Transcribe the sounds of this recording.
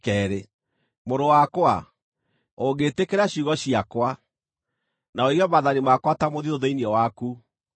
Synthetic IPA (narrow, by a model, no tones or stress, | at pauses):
kɛːɾe | moɾowakwa | oɣetekeɾaɕuɣɔɕiakwa | naoiɣɛmaðanimakwatamoðioðeiniɔwaku